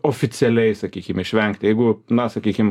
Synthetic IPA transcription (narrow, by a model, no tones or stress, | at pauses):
oːfʲɪt̪sʲɪɛlʲɛɪsɐkʲiːkʲɪmɪʃʲʋʲɛŋkt̪ʲjɛɪɡʊnɐsɐkʲiːkʲɪm